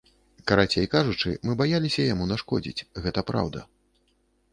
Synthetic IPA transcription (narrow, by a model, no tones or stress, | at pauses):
kɐɾat͡sʲejkaʐut͡ʂɨ̰mɨbajalʲisʲɐjamunaʂkɔd͡zʲḭt͡sʲɣɛt̪ɐpɾa̰wd̪ɐ̰